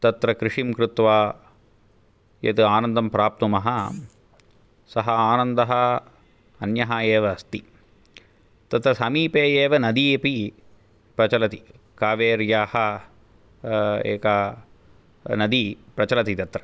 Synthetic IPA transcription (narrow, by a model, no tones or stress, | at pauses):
t̪ɐt̪ɾɐkɾɪʂimkɾut̪ʋaː | jḛt̪uaːnɐnd̪ɐmpɾaːp̚t̪umɐɦɐ | sɐɦɐaːnɐnd̪ɐɦɐ | ɐnjɐɦɐeːʋɐɐst̪i | t̪ɐt̪ɾɐsɐmiːpeːeːʋɐnɐd̪iepi | pɾɐt͡ʃɐlɐt̪i | kaːʋeːɾjaːhɐ | ḛːkɐ | nɐd̪ipɾɐt͡ʃɐlɐt̪it̪ɐt̪ɾɐ̥